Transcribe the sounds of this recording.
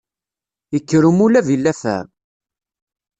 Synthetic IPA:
jəkːəɾumulævilːæfæ̰ɾ

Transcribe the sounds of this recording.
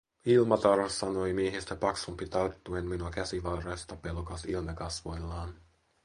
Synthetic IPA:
ilmɑt̪ɑrɑsːɑno̞jmieɦist̪æpɑksumpit̪ɑrt̪ːuenminuɑkæsiʋɑrɑjst̪ɑpe̞lokɑsilmɑkɑsʋo̞jlːɑːn

